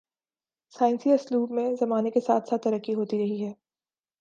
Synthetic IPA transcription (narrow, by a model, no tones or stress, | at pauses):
saːɪ̃nsiɐsluːbmẽzɐmaːnekesa̰ːt̪ʰsaːt̪ːɐɾəkːiɦoːt̪iɾɐɦiɦɛː